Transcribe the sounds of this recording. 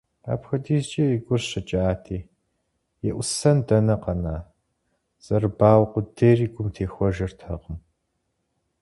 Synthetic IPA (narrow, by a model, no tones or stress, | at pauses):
a̰ːpxɐdiːzt͡ʃʼɐiɡʷʊrɕɐt͡ʃʼaːtʰiː | jɛʔʷʊsɐndɐnɐqɐnaː | z̥ɐrɨbaːwqʷʊdeːriːɡʷʊmtʰeːxʷɔʒɐrtʰɐ̰qəm